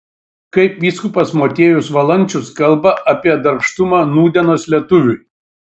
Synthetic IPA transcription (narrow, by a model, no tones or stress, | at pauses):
kɐɪpʋʲiːskʊpɐsmoːt̪ʲeːjʊsʋɐlˠɐnʲt͡ʃʲʊskɐlˠbɐʔɐpʲiɛd̪ɐɾʃt̪ʊmɑːnuːd̪ʲɛnoːslʲiɛt̪ʊʋʲʊ